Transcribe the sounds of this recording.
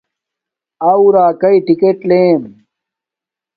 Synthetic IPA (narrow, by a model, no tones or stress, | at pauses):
awɾaːkɐiʈikeʈleːm